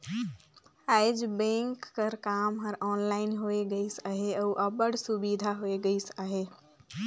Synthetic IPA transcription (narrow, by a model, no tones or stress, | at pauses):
aːɪd͡ʒbẽːŋkːəɾkaːmɦɐɾɔːnlaːɪnɦoeɡəisaɦeɐuʔɐbəɽsʊbid̪ʱaɦoeɡəisaːɦeː